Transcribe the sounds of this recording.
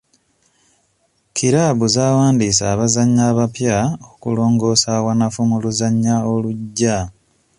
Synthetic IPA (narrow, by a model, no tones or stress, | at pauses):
kʰiɾaβuzaːwaːndisaːβazaɲːaːβapjaokulo̞ːŋɡo̞ːsaːwanafumuluzaɲːao̞luɟːa